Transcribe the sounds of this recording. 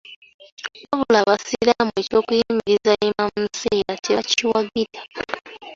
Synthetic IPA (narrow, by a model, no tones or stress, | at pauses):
oβulaβasiɾamue̞co̞ːkujimmiɾizaimammuseɾateβaciwaɡitʰḁ